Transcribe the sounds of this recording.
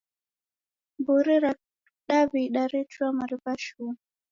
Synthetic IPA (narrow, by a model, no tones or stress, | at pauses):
mbuɾiɾa | ɗaβiɗaɾituamaɾipaʃun